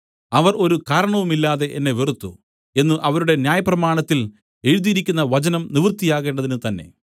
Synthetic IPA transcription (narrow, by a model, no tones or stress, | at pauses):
ɐʋɐro̞ɾukaːɾɐɳɐʋumilːaːðe̞ʔenːe̞ʋirut̪ːṵ | e̞nːɨʔɐʋɐɾuɽe̞njaːjɐprɐmaːɳɐt̪ːil | e̞ɻuðijiɾikʲːunːɐʋɐt͡ɕɐnɐmniʋrt̪ːijaːɣe̞ːɳɖɐðinɨt̪ɐnːe̞̰